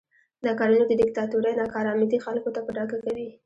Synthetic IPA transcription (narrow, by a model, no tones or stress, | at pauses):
nɑkɑɾunod̪əd̪ɪk̚t̪ɑt̪uɾajnɑkɑɾɑmid̪ixalkot̪apəɖɑɡakawi